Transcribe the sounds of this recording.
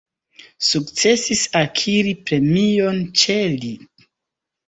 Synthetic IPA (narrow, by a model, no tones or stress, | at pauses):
sukt͡se̞sisakʰiɾipɾe̞mio̞nt͡ʃe̞li